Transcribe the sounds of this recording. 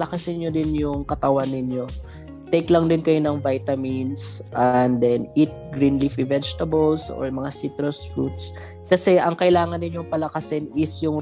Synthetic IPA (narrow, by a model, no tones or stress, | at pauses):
lɐkɐsɪnɲod̪ɪnjʊŋkɐt̪ɐwanːɪnjo̞ | t̪ɛjklɐŋd̪ɪnkɐjo̞nɐŋvajt̪ɐminsʔɛnd̪ɛnʔit̪̚ɡɾinlifivɛd͡ʒt̪ɐbɐlsʔo̰ɹmɐŋasit̪ɾosfɹut̪̚s | kɐsɛʔɐŋkɐʔɪlaːŋɐnːɪɲjoŋpɐlɐkɐsɪnɪsjʊŋ